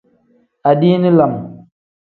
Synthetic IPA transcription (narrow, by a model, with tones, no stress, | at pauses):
a˨ɗi˦ni˦la˨m